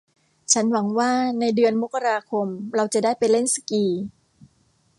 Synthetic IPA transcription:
t͡ɕʰa˦˥nwa˩˦ŋwaː˥˩na˧jdɯ˧ənmu˦˥kːa˧ɾaː˧kʰo˧mɾa˧wt͡ɕa˨˩daː˥˩jpa˧nle˥˩nsḁ˧kiː˧

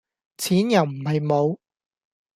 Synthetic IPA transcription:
t͡sʰiː˨˥njɐ˨wm̩˨˩hɐ˨jmo˨˧w

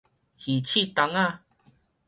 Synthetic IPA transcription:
hi˨t͡ɕʰi˥˧˨t̪a˧˦ŋa˥˧

